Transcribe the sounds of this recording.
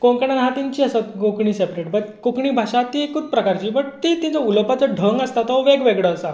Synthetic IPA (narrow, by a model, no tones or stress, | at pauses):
koɳkəɽ̃anɦat̪iɲt͡ɕiːəsəkokɳiːsepɾeʈ̚bət̪kokɳiːbʱaʂat̪ikut̪̚pɾəkaɾt͡ɕiːbəɽt̪it̪ĩt͡sauləpat͡səɖʱəŋɡəst̪at̪ɔʋeɡʋeɡɭəːsa